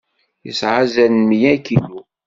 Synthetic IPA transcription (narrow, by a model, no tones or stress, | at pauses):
jəsʕazænmjækilu